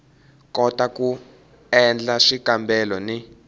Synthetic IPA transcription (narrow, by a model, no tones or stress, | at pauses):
kɔtaku | ɛnd͡ɮaʂikʼambɛlɔni